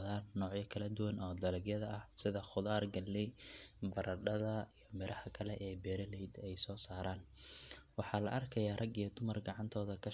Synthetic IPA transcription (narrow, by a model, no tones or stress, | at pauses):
ðaːnːɔːʕjɐkʰɐlɐd̪ʊwɐnʔɔːd̪ɐlɐɡjɐðɐʔɐhsɪðɐχʊðaːrɡɐlːɛjbɐɾʔɐɖɐðɐijɔmɪɾʔɐhɐkʰɐlɛʔɛːbɛːɾɐlɛjd̪ɛjsɔːsaːɾaːn | wɑħɑːlɐʔɐrkʰɐjaːrɐɡijɐd̪ʊmɐrɡɑʕɑnt̪ʰɔːðɐkʰɐ